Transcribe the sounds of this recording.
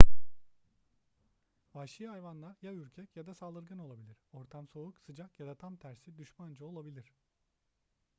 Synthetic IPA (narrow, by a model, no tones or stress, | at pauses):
vaʃɯjajvanlˠaɾjayɾcʰɛcjad̪asalˠd̪ɯɾɡɯno̞lˠabilʲiɾ̥o̞ɾt̪ʰamso̞uksɯd͡ʒakjad̪at̪ʰamt̪ʰæɾsid̪yʃmand͡ʒɯo̞lˠabilʲiɾ̥